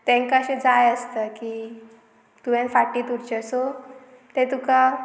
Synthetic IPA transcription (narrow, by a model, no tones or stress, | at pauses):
t̪ɛ̃ŋkaɕẽd͡zajəst̪əki | t̪uʋɛ̃nfaʈːiːt̪uɾt͡ɕəso | t̪ɛ̃t̪uka